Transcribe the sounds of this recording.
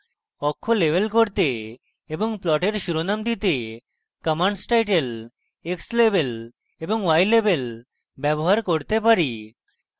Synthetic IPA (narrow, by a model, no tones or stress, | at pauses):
ɔkʰːolebelkoɾt̪eː | boŋplɔʈeɾʃuɾonamd̪it̪e | kəmaɳɖsʈajʈel | ekslebel | eboŋwajlebel | bɛboɦaɾkoɾt̪epaɾi